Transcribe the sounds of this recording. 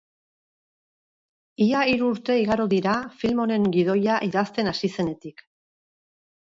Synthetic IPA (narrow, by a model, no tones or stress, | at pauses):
iaiɾuːɾt̪e̞iɣaɾoðiɾafilmo̞ne̞ŋɡið̞o̞jaʔiðast̪e̞nasise̞ne̞t̪ik